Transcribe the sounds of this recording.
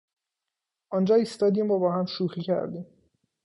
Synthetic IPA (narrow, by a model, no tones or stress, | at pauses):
ʔɒnd͡ʒɒːiːst̪ɒːd̪iːmbɒːbɒːhæmʃuːxiːcʰæ̰ɾd̪iːm